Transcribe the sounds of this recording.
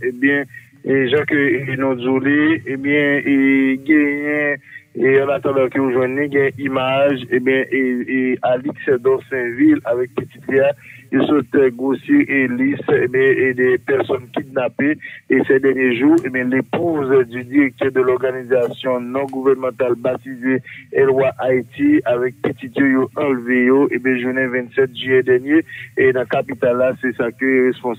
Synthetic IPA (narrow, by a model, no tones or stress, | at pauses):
ebjɛ̃ | ʒɑ̃kønũduleebjɛ̃eɡɛ̃jɛ̃eãlat̪ɑ̃d̪ãkəjoʒwɛ̃nːĩɡɛ̃ɛ̃ʔimaʒẽbjɛ̃ʔealiksɛd̪ɔsɛ̃vilavɛk̚pətit̪liaosot̪ɛɡosjeelisebjɛ̃d̪ɛpɛʁsɔnkid̪napeesɛd̪ɛʁnjeʒuẽbjɛ̃lepuzdyd̪iʁɛk̚t̪œʁd̪əlɔʁɡanizasjɔ̃nɔ̃ɡuvɛʁnmɑ̃t̪albat̪izeɛlwaʔait̪iavɛk̚pət̪it̪jojoɑ̃lvejoʔebɛ̃ʒunɛ̃vɛ̃t̪sɛt̪̚ʒyjɛd̪ɛʁnjenɐ̃kapit̪alːasɛsakøʁespɔ̃